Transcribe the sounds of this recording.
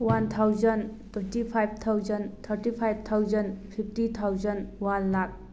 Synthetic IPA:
want̪ʰawzəntʰwentipʰajb̚t̪ʰawzənt̪ʰəɾtipʰajb̚t̪ʰawzənpʰip̚ʰtit̪ʰawzənwanlak̚

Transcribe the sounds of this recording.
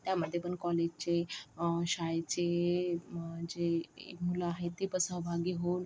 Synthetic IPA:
t̪jaməd̪ʱːjepəɳkɔled͡ʑt͡ɕe | ɕajt͡ɕe | d͡ʑḛmulaaɦet̪ːipəsəɦbʱaɡiːɦon

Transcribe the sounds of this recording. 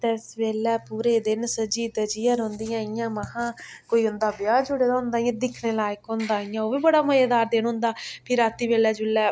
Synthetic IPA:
t̪ɛːsʋeːlɛːpuːɾeːd̪ɪnsəd͡ʒiːd̪əd͡ʒɪjãːɾõːnd̪ɪjãːɪjãːməɦãː | koːiːɦʊnd̪aːbjaːd͡ʒʊɽeːd̪aːɦʊ̃nd̪aːɪjãːd̪ɪkʰneːlaːjɪkɦʊ̃nd̪aːɪjãːoːʋiːbəɽaːməjaːd̪aːɾd̪eːnɦʊ̃nd̪aːpʰɪɾaːt̪iːʋeːlɛːd͡ʒʊlːɛː

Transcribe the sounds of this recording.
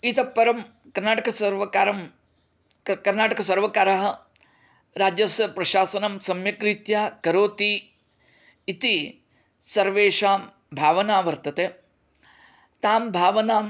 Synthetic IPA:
it̪ɐpːɐɾɐmkɐɾnaːʈɐkɐsɐɾʋɐkaːɾɐm | kɐɾnaːʈɐkɐsɐɾʋɐkaːɾɐɦɐ | ɾaːd͡ʒjɐsɐpɾɐʃaːsɐnɐmsɐmjɐkɾit̪jaːkɐɾoːt̪i | t̪i | sɐɾʋeːʂaːm | bʱaːʋɐnaːʋɐɾt̪ɐt̪eː | t̪aːmbʱaːʋɐnaːm

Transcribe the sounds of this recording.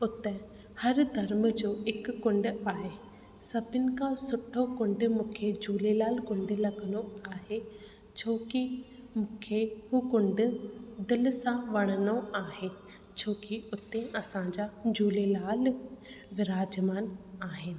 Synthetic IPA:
ʊt̪ẽ | hɐɾd̪ʱɐɾm̆d͡ʑoːɪkːʊ̃ɳɖʊaːɦe | sɐbʱɪnɪ̆kʰãsʊʈʰokʊ̃ɳɖmũːkʰed͡ʑuːlelaːlkʊ̃ɳɖ̆lɐɡənoaːɦe | t͡ɕʰoːki | mũːkʰeɦukʊ̃ɳɖ̆d̪ɪlsãʋɐɽ̃ənoaːɦe | t͡ɕʰoːkiʊt̪ẽʔɐsãɲd͡ʑad͡ʑuːlelaːl | ʋɪɾaːd͡ʑmaːnaːɦɪnɪ̆

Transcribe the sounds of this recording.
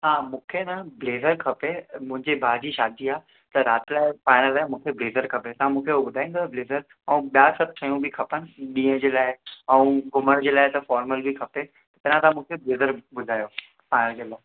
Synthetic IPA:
ɦaːmũːkʰenɐbleːzəɾkʰɐpemʊ̃ɦɪ̃ɲd͡ʑebʱaːd͡ʑiʃaːd̪ʱiaː | t̪ɐɾaːt̪ɪlaːɪfaːɪñəlaːɪmũːkʰebleːzəɾkʰɐpet̪ɐʋ̤ãmũːkʰeuɓʊd̪ʱaːĩnd̪bleːzəɾ | ɛũɓijaːsɐb̚sʰɐ̃jũbʱikʰɐpənɪ̆ɗĩːə̃d͡ʑeːlaːɪɛ̃ũɡʱʊməɽ̃d͡ʑeːlaːɪt̪ɐfɔːɾməlbʱikʰɐpe | t̪ɐpɐnãt̪aãmũːkʰebleːzəɾɓʊd̪ʱaːjo | faːɪnəld͡ʑeːlaːɪ

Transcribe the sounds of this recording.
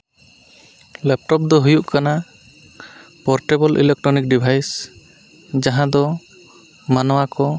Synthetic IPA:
lɛp̚ʈɔp̚d̪ɔɦujuʔkana | pɔɾʈɛbɔlʔḭlɛk̚ʈɾɔnik̚ɖibʱajs | d͡ʒaɦãd̪ɔ | manɔwakɔ

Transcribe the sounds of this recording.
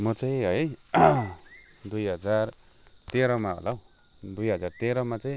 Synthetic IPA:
mʌt͡saj̃ɦʌj | d̪ujɦʌd͡zar | t̪eɾʌmao̰law | d̪ujɦʌd͡zart̪eɾʌmat͡sʌj̃

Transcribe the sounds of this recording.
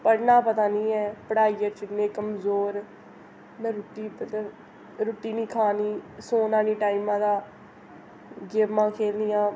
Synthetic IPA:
pəɽnaːpət̪aːnĩːɛːpəɽaːiːjəɾt͡ʃɪnẽːkəmzoːɾ | mɛ̃ːɾʊʈːiːpt̪ː | ɾoːʈːiːnĩːkʰaːniːsoːnãːniːʈaːimãːd̪aː | ɡeːpmãːkʰeːlnɪjãː

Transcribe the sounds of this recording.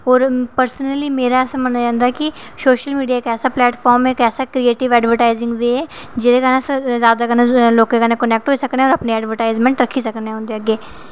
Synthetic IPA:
ɔːɾpəɾsnəliːmeːɾaːɛːsãːmənːaːd͡ʒãːnd̪aɛkɪ | soːʃəlmiːɖijaːkɛːsaːplɛːʈfʰɔːɾmɛːkɛːsaːkɾieːʈɪʋɛːɖʋəɾʈaːɪzɪ̃ŋɡʋeːɛː | d͡ʒɪd̪eːkənaszjaːd̪aːkənẽːloːkẽːkənẽːkənɛːk̚ʈɦoːiːsəkneːɔːɾəpneːɛːɖʋəɾʈaːɪzmɛ̃ːɳʈɾəkʰiːsəkneãːɦʊ̃nd̪eːəɡːeː

